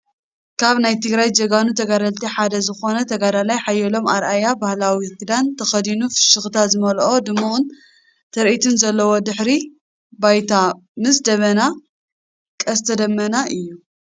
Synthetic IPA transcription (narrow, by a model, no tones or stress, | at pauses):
kʰaβnajt̪ʰɨɡɾajd͡ʒɐɡanut̪ʰɐɡaɾɐlt̪ʰiħad̪ɐzɨxo̞nɐt̪ʰɐɡad̪alajħajːɛlo̞maɾʔajabahlawikɨd̪ant̪ʰɐxɐd̪inufɨ̥ʃɨxt̪ʰazɨmɐlʔo̞d̪ɨmːuʔun | t̪ʰɐɾʔit̪ʰɨnzɐlːɐwo̞d̪ɨħɾi | bajt̪ʰamɨs̬d̪ɐβɐna | kʼɐst̪ʰɐd̪ɐmːɐnaʔɨjːu